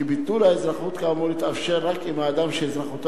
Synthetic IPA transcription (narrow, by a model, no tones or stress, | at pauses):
ibit̪ulaezʁaχut̪kamolit̪afʃeɾːakimaːd̪amʃeezʁaχut̪